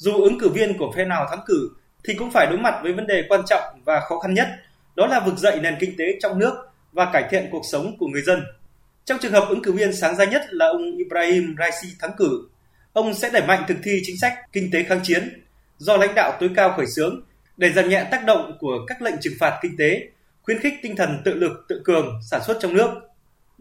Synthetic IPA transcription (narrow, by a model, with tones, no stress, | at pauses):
zu˨˩ʔɨ˨˦ŋkɨ˧˩vi˧ənku˧˩əfɛ˧naː˨˩wt̪ʰaː˨˦ŋkɨ˧˩ | t̪ʰi˨˩kʊ̰˧˥ŋ͡mfaː˧˩jɗo˨˦jma˨˩t̚vəː˨˦jvə˨˦nɗe˨˩kwaː˧nt͡ɕɔ̰˧˨wŋ͡mvaː˨˩xɔ˨˦xa˧nɲə˦˥t̚ | ɗɔ˨˦laː˨˩vɨ˨˩k̚zə̰˧˨jne˨˩nkï˧ŋ̟t̪e˨˦t͡ɕɔ˧wŋ͡mnɨ˦˥ək̚ | vaː˨˩kaː˧˩jt̪ʰḭ˧˨ənku˨˩ək̚sə˨˦wŋ͡mku˧˩əŋɨ˨˩əjzə˧n | t͡ɕɔ˧wŋ͡mt͡ɕɨ˨˩əŋhəː˨˩p̚ʔɨ˨˦ŋkɨ˧˩vi˧ənsaː˨˦ŋzaː˧˦ɲə˦˥t̚laː˨˩ʔə˧wŋ͡mʔi˧pɾaː˧hi˧mzaː˧jsi˧t̪ʰa˨˦ŋkɨ˧˩ | ʔə˧wŋ͡msɛ̰˧˥ɗə˧˩jma̰˧˨jŋ̟t̪ʰɨ˨˩k̚t̪ʰi˧t͡ɕï˨˦ŋ̟sa˦˥jk̚kï˧ŋ̟t̪e˨˦xaː˨˦ŋt͡ɕi˨˦ən | zɔ˧la̰˧˥jŋ̟ɗa̰ː˧˨wt̪o˨˦jkaː˧wxɔː˧˩jsɨ˨˦əŋ | ɗe˧˩zaː˨˩mɲɛ̰ː˧˨t̪aː˦˥k̚ɗə̰˧˨wŋ͡mku˧˩əkaː˦˥k̚lə̰˧˨ŋt͡ɕɨ˨˩ŋfaː˨˩t̚kï˧ŋ̟t̪e˨˦ | xwi˧ənxɪ˦˥k̚t̪ï˧ŋt̪ʰə˨˩nt̪ɨ̰˧˨lɨ˨˩k̚t̪ɨ̰˧˨ŋkɨ˨˩əŋsaː˧˩nswə˦˥t̚t͡ɕɔ˧wŋ͡mnɨ˦˥ək̚